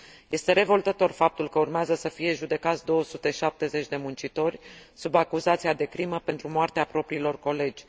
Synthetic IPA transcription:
je̞st̪e̞ɾe̞vo̞lt̪ət̪o̞rfap̚t̪ulkəurmeazəsəfije̞ʒud̪e̞kat̪sʲd̪o̞wəsut̪e̞ʃap̚t̪e̞ze̞t͡ʃʲd̪e̞munt͡ʃit̪o̞rʲsubakuzat̪siad̪e̞kɾiməpe̞nt̪ɾumoart̪eapɾo̞pɾiːlo̞rko̞le̞d͡ʒʲ

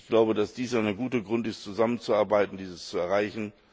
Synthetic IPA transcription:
ɡ̥laʊbədasd̥iːsʔaɪnəɡuːtəɡʁʊntɪstt͡suzamənt͡suaɐbaɪtn̩diːzəst͡suɛɐʁaɪçn̩

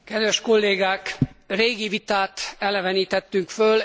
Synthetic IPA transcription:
kɛd̪vɛʃko̞lːeːɡaːkreːɡivit̪aːt̪ɛlɛvɛniːt̪ɛt̪ːyŋkføl

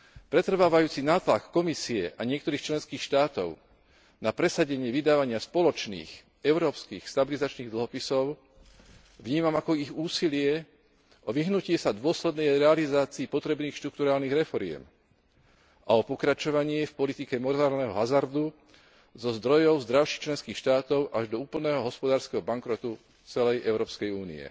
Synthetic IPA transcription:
pɾɛt̪r̩ʋaːʋajuːt͡sinaːt̪lakːɔmisiɛʔaɲɪɛk̚t̪ɔɾiːxt͡ʃlɛnskiːxʃt̪aːt̪ɔ̰ʊ | napɾɛsaɟɛɲɪɛʋid̪aːʋaɲɪaspɔlɔt͡ʃnḭːx | ɛʊɾɔːpskḭːxst̪abilizat͡ʃniːɣd̪l̩ɦɔpisɔʊ | ʋɲiːmamakɔiɣuːsilɪɛ | ʔɔʋiɦnucɪɛsad̪ʊɔslɛd̪nɛjɾɛalizaːt͡siːpɔt̪ɾɛbniːxʃt̪ɾukt̪uɾaːlniɣɾɛfɔɾɪɛ̰m | ʔaɔpɔkɾat͡ʃɔʋaɲɪɛfpɔlit̪ikɛmɔɾaːɾlnɛɦɔɦazaɾd̪u | zɔzd̪ɾɔjɔʊzd̪ɾaʊʃi̥xt͡ʃlɛnskiːxʃt̪aːt̪ɔʊʔaʒd̪ɔuːpl̩nɛːɦɔɦɔspɔd̪aːɾskɛɦɔbaŋkɾɔt̪u | t͡sɛlɛjʔɛʊɾɔːpskɛjuːnḭɛ̰

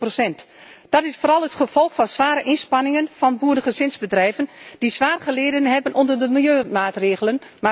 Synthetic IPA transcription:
prosɛntd̥ɑtɪsfoːɾɑlˠətχəv̥ɔlˠxfɔnsʋaːɾəʔɪnspɑnɪŋənfɑnbuədəɣəzɪnzbədrɛjvənd̥isʋaːrχəleːdənɦɛbənʔɔndərdəmɪlˠjøːmaːtreːɣələnma

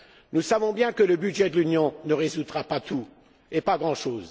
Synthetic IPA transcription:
nusavɔ̃bjɛ̃kələbyd̪ʒɛd̪əlynjɔ̃nəʁezut̪ʁapat̪ʰu | epaɡʁɑ̃ʃoːz

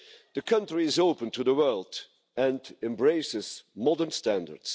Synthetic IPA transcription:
ðəkʰʌ̃ntɹiɪzoʊpə̃ntʰuðəwɜ˞lˠd | ɨ̃ndɛ̃mbɹeɪsɪz̥mɔdə˞nstæ̃ndə̰ɹd̥s

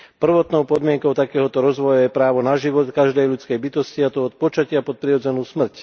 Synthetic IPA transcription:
pr̩ʋɔt̪nɔʊpɔd̪mɪɛŋkɔʊt̪akɛːɦɔt̪ɔɾɔzʋɔjajɛpɾaːʋɔnaʒiʋɔt̪kaʒd̪ɛjʎut͡skɛjbit̪ɔsciat̪ɔɔt̪̚pɔt͡ʃacɪapɔt̪̚pɾiɾɔd͡zɛnuːsmr̩c

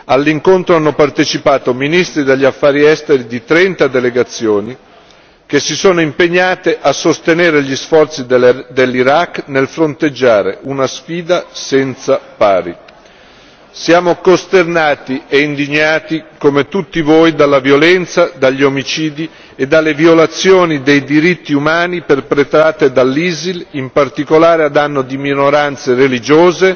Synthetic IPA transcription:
alːiŋkont̪ɾoanːopart̪et͡ʃipaːt̪ominist̪ɾid̪eʎːafːaːɾiɛst̪eɾid̪it̪ɾɛnt̪ad̪eleɡat̪sːjoːni | k̟esːisoːnoimpeɲːaːt̪eʔasːost̪eneːɾeʎisfɔrt̪sid̪elːiɾakːnelfɾont̪ed͡ʒːaːɾḛʔunasfiːd̪asɛnt̪sapaːɾḭ | sjaːmokost̪ernaːt̪iʔeind̪iɲːaːt̪ikomet̪ut̪ːivojd̪alːavjolɛnt̪sad̪aʎːiomit͡ʃiːd̪i | ed̪ːalːevjolat̪sːjoːnid̪ejd̪iɾit̪ːiumaːniperpɾet̪ɾaːt̪ed̪alːiːzilimpart̪ikolaːɾead̪anːod̪iminoɾant̪serelid͡ʒoːze

